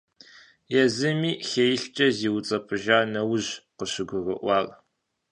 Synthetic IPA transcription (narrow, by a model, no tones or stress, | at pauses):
jɛzɨmiːxejɪɬt͡ʃʼɐziːwt͡sʼɐpʰɨʒaːnɐwʊʑqəɕɪɡʷʊrəʔʷɑːl